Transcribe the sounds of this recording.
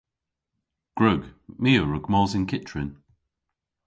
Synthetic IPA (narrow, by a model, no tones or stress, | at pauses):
ɡ̥ɹəɡmiːəɹəɡmɔːzɪ̃nkʰɪtɹɪn